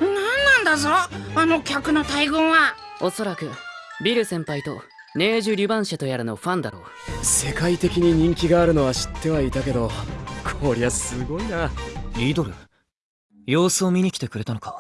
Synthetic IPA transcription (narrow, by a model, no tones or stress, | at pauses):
nãnːãnd̪azoano̞kʲakɯ̟no̞t̪aiɡõɰ̃βao̞so̞ɾakɯ̟ | bʲiɾɯ̟sẽ̞mpait̪o̞̰ | ne̞ːʑɨɾʲɯbãɰ̃ɕat̪o̞jaɾɯ̟no̞ɸãnd̪a̰ɾo̞̰ː | se̞kait̪e̞kʲiɲ̟iɲ̟ĩŋkʲiɡaːɾɯ̟no̞βaɕi̥t̪ʰːe̞βait̪ake̞d̪o̞kʰoːɾʲiasɨɡo̞inaɾʲiːd̪o̞ɾɯ̟̰ | jo̞ːsɨomʲiɲ̟ikʲi̥t̪e̞kɯ̟ɾe̞t̪ano̞ka